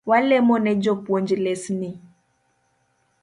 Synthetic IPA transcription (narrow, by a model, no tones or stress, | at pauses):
walɛmɔnɛd͡ʒopwɔnd͡ʒilɛsni